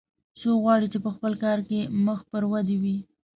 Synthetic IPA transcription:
soɣwɑɽit͡ʃepəxpəlkɑɾkeməxpəɾwad̪ewi

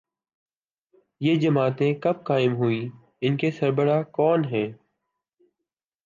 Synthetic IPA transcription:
jeːd͡ʒəmaːt̪ẽkəb̚kaːɪmɦʊiː | ɪnkesəɾbəɾaːkɔːnɦɛ̃ː

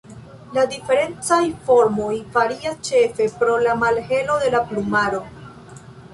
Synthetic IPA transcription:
ladife̞ɾe̞nt͡sajfo̞ɾmo̞jfaɾiast͡ʃe̞fe̞pɾo̞lamalhe̞lo̞de̞laplumaɾo̞

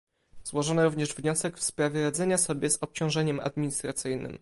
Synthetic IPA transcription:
z̥wɔʐɔnɔɾuvɲɛʐvɲɔsɛkfspɾavʲjɛɾad̪zɛɲasɔbʲjɛzɔp̚t͡ɕɔ̃w̃ʐɛɲɛma̰d̪mʲiɲist̪ɾat̪sɘjnɘ̰m

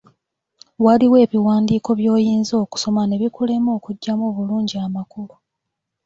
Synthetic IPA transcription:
waliwe̞ːβiwaːndiːko̞βjo̞ːjiːnzo̞ːku̥so̞mane̞βikule̞mo̞ːkuɟːamoːβuluːɲɟiamakulu

